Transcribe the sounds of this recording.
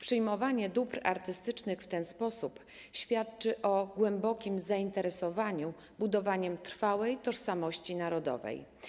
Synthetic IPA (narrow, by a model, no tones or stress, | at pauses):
pʂɘjmɔvaɲɛd̪upɾa̰ɾt̪ɘst̪ɘt͡ʂnɘxft̪ɛnspɔsup | ɕfʲjat̪̚t͡ʂɘʔɔɡwɛmbɔkʲimzaint̪ɛɾɛsɔvaɲu | bud̪ɔvaɲɛmt̪ɾfawɛjt̪ɔʂsamɔɕt͡ɕinaɾɔd̪ɔ̰vɛ̰j